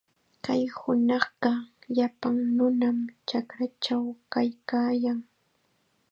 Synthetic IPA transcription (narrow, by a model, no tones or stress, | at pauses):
kajhʊnɑχɢɑʎapaŋnʊnamt͡ʃakɾat͡ʃawkajkaːjaŋ